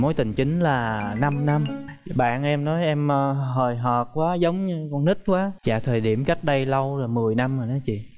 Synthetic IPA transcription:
mo˨˦jt̪ï˨˩ŋ̟t͡ɕï˨˦ŋ̟laː˨˩na˧mna˧m | ɓa̰ː˧˨nʔɛ˧mnɔ˨˦jʔɛ˧mː˧ɦəː˨˩jɦɔː˨˩t̚kwaː˨˦zə˨˦wŋ͡mɲɨ˧kɔ˧nt̪i˦˥t̚kwaː˨˦t͡ɕa̰ː˧˨t̪ʰəː˨˩jɗi˧˩əmka˦˥jk̟̚ɗə˧jlə˧wlaː˨˩mɨ˨˩əjna˧məː˨˩nɔ˨˦t͡ɕḭ˧˨

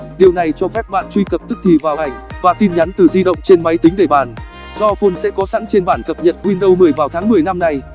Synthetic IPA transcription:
ɗi˨˩əwna˨˩jt͡ɕɔ˧fɛ˦˥p̚ɓa̰ː˧˨nt͡ɕwi˧kə˨˩p̚t̪ɨ˦˥k̚t̪ʰi˨˩vaː˨˩wha˨˩jŋ̟vaː˨˩t̪i˧nɲa˨˦nt̪ɨ˨˩zi˧ɗə̰˧˨wŋ͡mt͡ɕe˧nma˨˦jt̪ï˨˦ŋ̟ɗe˧˩ɓaː˨˩n | z̥ɔ˧fo˧nsɛ̰˧˥kɔ˨˦sa̰˧˥ŋt͡ɕe˧nɓaː˧˩nkə˨˩p̚ɲə̰˧˨t̚hwi˧nɗə˧wmɨ˨˩əjvaː˨˩wt̪ʰaː˨˦ŋmɨ˨˩əjna˧mna˧j

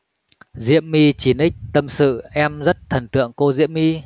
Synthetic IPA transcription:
zḭ˧˥əmːi˧t͡ɕi˨˦nʔi˦˥k̟̚t̪ə˧msɨ̰˧˨ʔɛ˧mzə˦˥t̚t̪ʰə˨˩nt̪ɨ̰˧˨əŋko˧zḭ˧˥əmːi˧

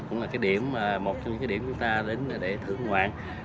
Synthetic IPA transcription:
kʊ̰˧˥ŋ͡mlaː˨˩kaː˨˦jɗi˧˩˨əmː˨˩mo˨˩t̚t͡ɕɔ˧mɲ˧˥aː˨˦i˧˩əm˩t͡ɕʊ˨˦ŋ͡mt̪aː˧ɗe˨˦n˨ɗe˧˩t̪ʰɨ̰˧˨əŋhwa̰ː˧˨n

